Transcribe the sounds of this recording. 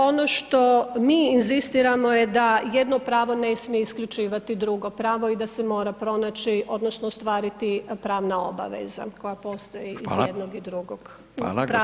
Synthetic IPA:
o̞noʃt̪o̞miːinzist̪iɾamo̞jed̪aje̞d̪no̞pɾaːʋo̞nesmijeiskʎʲut͡ʃiːʋat̪id̪ɾuɡo̞pɾaːʋo̞id̪asemo̞ːɾapɾo̞naːt͡ʃiʔo̞d̪no̞snoost̪ʋaːɾit̪ipɾaːʋnaoba̰ʋḛza̰ko̞japo̞ːst̪o̞jiizjed̪noɡid̪ɾuɡoɡ̥ | pɾa

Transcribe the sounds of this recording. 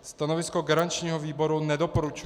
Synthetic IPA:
st̪anovɪskoɡaɾant͡ʃɲiːɦoviːbo̞ɾunɛdo̞poɾut͡ʃ

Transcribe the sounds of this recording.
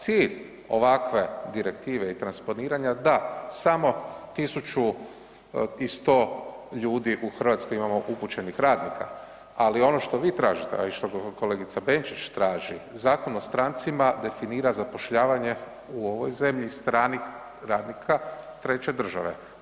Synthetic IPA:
t̪siːʎ | o̞̰ʋakʋe̞d̪iɾe̞kt̪iːʋeit̪ɾanspo̞niːɾaɲad̪asamo̞t̪isut͡ʃu | ist̪o̞ːʎuːd̪iʔuxr̩ʋat̪sko̞jimamo̞ʔuput͡ʃe̞nixɾaːd̪nikʰa̰ | alio̞no̞ʃt̪o̞ʋiːt̪ɾaːʒit̪ḛa̰iʃt̪oko̞leɡit̪sabe̞nt͡ʃit͡ʃt̪ɾaːʒizaːko̞nost̪ɾant̪simad̪e̞finiːɾazapo̞ʃʎaːʋaɲe̞ | uo̞ʋo̞jze̞mʎist̪ɾaːnix | ɾaːd̪nikʰat̪ɾe̞t͡ɕe̞d̪r̩ʒa̰ʋe̞̰

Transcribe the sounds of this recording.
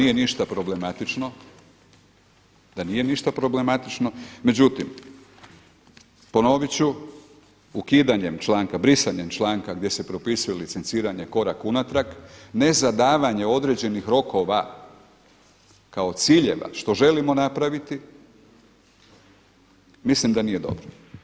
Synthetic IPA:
ijeniʃt̪apɾo̞ble̞mat̪it͡ʃno̞ | d̪anije̞niʃt̪apɾo̞ble̞mat̪it͡ʃno̞me̞d͡ʑut̪im | po̞no̞ʋit͡ɕu | ukid̪aɲe̞mt͡ʃlˠaːŋkabɾisaɲe̞mt͡ʃlˠaːŋkaɡd̪je̞se̞pɾo̞pisuje̞lit̪se̞nsiːɾaɲeko̞ɾakunat̪ɾakne̞zad̪aːʋaɲe̞o̞d̪ɾe̞d͡ʑe̞nixɾo̞ko̞ʋa | kao̞t̪siːʎe̞ʋa̰ʃt̪o̞ʒe̞limo̞napɾaʋit̪i | mislimd̪anije̞d̪o̞̰bɾo

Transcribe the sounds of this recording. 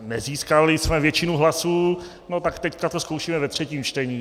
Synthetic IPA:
nɛziːskalɪsmɛvjɛt͡ʃɪnuɦlasuː | not̪akt̪ɛckat̪osko̞wʃiːmɛvɛt̪r̝̥ɛciːmt͡ʃt̪ɛɲiː

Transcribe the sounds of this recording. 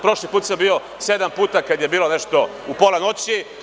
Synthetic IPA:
pɾo̞ʃlipuːt̪sambio̞ | se̞d̪ampuːt̪akad̪je̞biːlo̞ne̞ʃt̪o̞ | upoleno̞t͡ɕi

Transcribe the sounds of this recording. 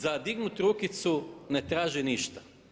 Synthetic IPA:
zad̪iɡnut̪ɾukit̪sunet̪ɾaːʒiniʃt̪ḁ

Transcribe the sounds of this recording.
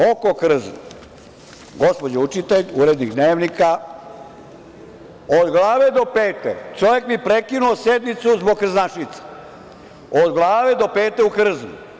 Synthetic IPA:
oko̞kr̩zno | ɡo̞spo̞d͡ʑeut͡ʃit̪eʎuɾed̪niɡd̪neːʋnika | o̞d̪ɡlˠaːʋed̪o̞peːt̪ḛt͡ʃoʋekmipɾekinuosed̪mit̪suzboɡ̚kr̩znaʃit̪se̥ | od̪ɡlˠaːʋed̪o̞peːt̪eukr̩znṵ

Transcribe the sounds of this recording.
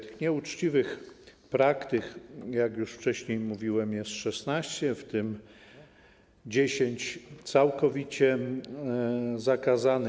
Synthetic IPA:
t̪ɘxɲɛut͡ʂt͡ɕivɘx | pɾakt̪ɘkjakjuʂft͡ʂɛɕɲejmuvʲiwɛmjɛst̪ʂɛsnaɕt͡ɕɛft̪ɘm | d͡ʑeɕeɲt͡ɕt̪sawkɔvʲit͡ɕɛ | zakazan

